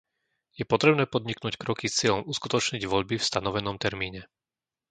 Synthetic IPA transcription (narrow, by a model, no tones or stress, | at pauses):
jɛpɔt̪ɾɛbnɛːpɔd̪ɲiknuːckɾɔkist͡sɪɛʎɔmuskut̪ɔt͡ʃɲiɟʋɔʎbifst̪anɔʋɛnɔmt̪ɛɾmiːɲɛ